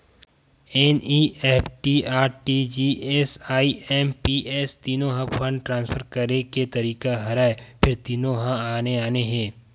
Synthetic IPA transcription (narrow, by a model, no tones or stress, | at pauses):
ɛːniːʔɛːpʰʈiːaːʈʈid͡ʒiːʔɛːsaːiɛːmpiʔɛːst̪iːnõɦãpʰə̃ɳɖʈɾãːnspəɾkɐɾeket̪ɐɾiːkaɦɐɾaːepʰɪɾt̪iːnõɦãaːneaːneɦɛ̃ː